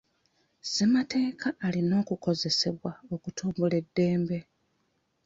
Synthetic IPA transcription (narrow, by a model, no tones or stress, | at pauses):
z̥emate̞ːkʰaːlino̞ːkuko̞ze̞se̞βwao̞kutʰuːmbule̞dːe̞ːmbe̞